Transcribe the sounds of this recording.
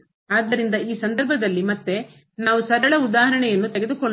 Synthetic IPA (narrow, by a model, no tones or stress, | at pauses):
aːd̪ːɐɾind̪ɐiːsɐnd̪ɐɾbʱɐd̪ɐlːimɐt̪ːe̞ | naːʋusɐɾɐɭɐud̪aːɦɐɾɐɳɛjɐnːut̪eɡed̪ukoɭ